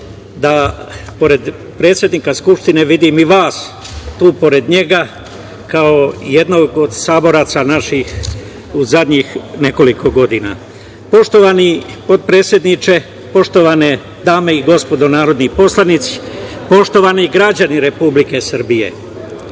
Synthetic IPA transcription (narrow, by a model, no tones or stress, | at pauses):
d̪apo̞ɾe̞d̪ | pɾe̞ːt̪sje̞d̪nikaskupʃt̪ine̞ʋid̪imiʋaːs | t̪uːpo̞ɾe̞d̪ɲe̞ɡa | kao̞je̞d̪no̞ɡo̞d̪saːbo̞ɾaːt̪sanaʃix | uzad̪ɲixne̞ko̞liko̞ɡo̞d̪ina̰ | po̞ʃt̪o̞ʋanipo̞d̪̚pɾe̞ːt̪sje̞d̪nit͡ʃe̞ | po̞ʃt̪o̞ʋane | d̪aːmeiɡo̞spo̞d̪o̞naːɾo̞d̪nipo̞slˠanit̪si̥po̞ʃt̪o̞ʋaniɡɾad͡ʑaniɾe̞publike̞sɾ̩bijḛ